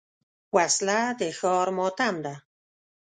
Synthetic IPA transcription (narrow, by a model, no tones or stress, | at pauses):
waslad̪exɔːɾmɔːt̪amd̪a